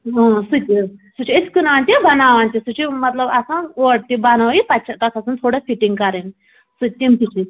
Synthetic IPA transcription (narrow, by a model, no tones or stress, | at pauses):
õsut̪ʲisut͡ʃʰieskunaːnt̪ibɐnaːʋaːnt̪isut͡ʃʰimɐt̪lɐbɐsãnoːʈ̚t̪ibɐnaʋipɐt͡ʃʰɐt̪ɐsʰɐsɐnt̪ʰoːɽafʰiʈiŋɡkɐɾen | sut̪ʲːimt̪it͡ʃʰi